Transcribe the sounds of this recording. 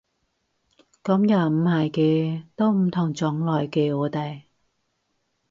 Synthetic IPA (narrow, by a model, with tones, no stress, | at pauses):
kɐ˨˥mja˨˩m̩˨˧haː˨˩jkɛː˧t̪o˥wm̩˨˩t̪ʰʊ˨˩ŋt͡sɔː˨˥ŋlɔː˨˩jkeː˧ɔː˨˧t̪ɐ˨˩j